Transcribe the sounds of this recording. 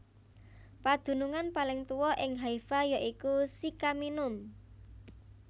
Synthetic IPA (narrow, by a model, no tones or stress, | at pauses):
pad̪̥ṳnuŋanpalɪŋt̪uwɔʔɪŋɦaifajaʔikusikaminʊm